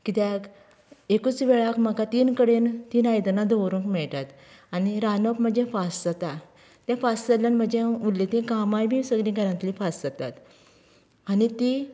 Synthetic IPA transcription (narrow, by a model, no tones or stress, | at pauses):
kit̪ɛk | ekut͡sʋɛɭakm̤əɡat̪iːnkəɽent̪iːnajd̪nad̪ɔwɾũŋkmɛɭʈ̪at̪ | aniɾanəpm̤əd͡ʑɛ̃fasd͡zət̪a | t̪ɛ̃fast͡səlanm̤əd͡ʑẽulːit̪ẽkamajbʱisəɡɾĩɡaɾãnt̪lifasd͡zət̪at̪ | anit̪i